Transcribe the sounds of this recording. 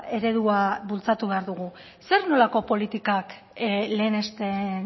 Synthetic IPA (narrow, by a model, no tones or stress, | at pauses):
e̞ɾe̞ðuaβult͡sat̪uβe̞aɾðuɣ̞u | se̞ɾno̞lako̞po̞lit̪ikak | le̞ːne̞st̪e